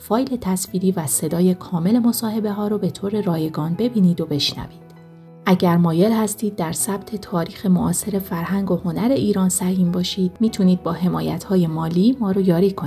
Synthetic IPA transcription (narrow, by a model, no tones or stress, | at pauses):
fɒːjle̞t̪ʰæsfiːɾiːvæse̞d̪ɒːje̞kʰɒːme̞le̞mo̞sɒːhe̞be̞ɦɒːɾobe̞t̪ʰoːɾe̞ɾɒːje̞ɡɒːnbe̞biːniːd̪o̞be̞ʃnæ̰viːd̪̥ | ʔæɟæɾmɒːje̞lhæst̪iːd̪ːæɾsæb̥̚t̪ʰe̞t̪ʰɒːɾiːxe̞moʔɒːse̞ɾe̞fæɾɦæŋɡo̞ho̞næɾe̞ʔiːɾɒːnsæhiːmbɒːʃiːd̪̥̚miːt̪ʰuniːd̪̚bɒːɦe̞mɒːjæ̰t̪ʰhɒːje̞mɒːliːmɒːɾojɒːɾiːkʰoni